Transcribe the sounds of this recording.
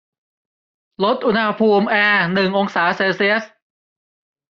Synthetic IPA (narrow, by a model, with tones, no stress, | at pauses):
lo˦˥t̪̚ʔu˧nha˧pʰuː˧mʔɛː˧nɯ˨˩ŋʔo˧ŋsaː˩˦seː˧si˦˥əs